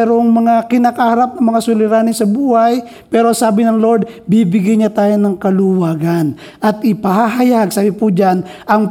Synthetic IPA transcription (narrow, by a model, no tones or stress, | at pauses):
ɛɾoŋmɐŋakɪnaːkahɐɾap̚nɐŋmɐŋasʊlɪɾaːnɪsɐbuːhaj | pɛːɾosaːbɪnɐŋloɹd̪̚bibɪɡajɲat̪aːjonɐŋkɐlʊwaːɡan | ʔɐt̪ʔɪpɐhaɦɐjaɡ̚saːbɪpud͡ʒanʔɐŋ